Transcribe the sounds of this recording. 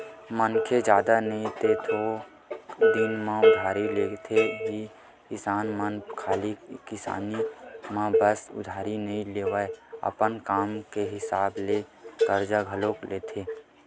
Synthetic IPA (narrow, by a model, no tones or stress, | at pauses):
mənkʰed͡ʒjaːd̪anəɦĩt̪et̪ʰo | d̪inmãʊd̪ʱaːɾileːt̪ʰed͡ʒi | kɪsaːnmənkʰaːlikɪsa̰ːnimãbəsʊ̰d̪ʱaːɾinəɦĩleːʋəeə̰pənkaːmkeɦɪsaːblet̪əɾd͡ʒaɡʱəlokleːt̪ʰeː